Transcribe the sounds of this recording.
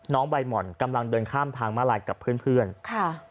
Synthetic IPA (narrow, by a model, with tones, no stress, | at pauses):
nɔː˦˥ŋwa˧jmɔ˨˩nka˧mla˧ŋdɤː˧nkʰaː˥˩mt̪ʰaː˧ŋmaː˥˩laː˧jka˨˩pʰɯː˥˩ənpʰɯ˥˩ənkʰa˧˩